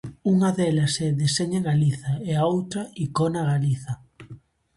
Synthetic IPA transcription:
uŋɐðɛlɐsɛðeseɲaɣaliθɐɛaowt̪ɾɐikɔnɐɣaliθɐ

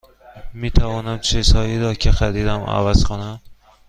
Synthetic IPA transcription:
mit̪ʰavɒːnamt͡ʃʰesɒjid̪ɒkʲʰaxad̪id̪ama̰vaz̥kʰonam

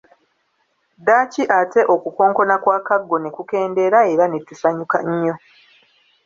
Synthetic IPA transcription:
daːciʔate̞ʔo̞kuko̞ːŋko̞nakwaːkaɡːo̞ne̞kuke̞ːnde̞ɾae̞ɾanetusaɲukaɲːo̞

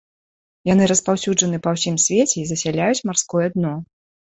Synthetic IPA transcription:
janɨɾɐspawsʲud͡ʐɐnɨpɐwsʲimsʲvʲet͡sʲɛizɐsʲalʲajut͡sʲmarskɔjɛd̪nɔ

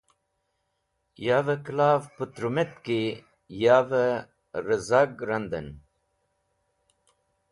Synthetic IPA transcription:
jaːvəklaːvpət̪ɾumet̪ki | jaːvə | ɾəzaɡɾɐnd̪ə̰n

